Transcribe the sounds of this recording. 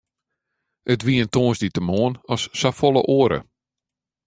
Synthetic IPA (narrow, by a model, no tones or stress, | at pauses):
ətʋiəntoːnsditəmoːənɔsːafɔlˠə̰ʔoəɾə̰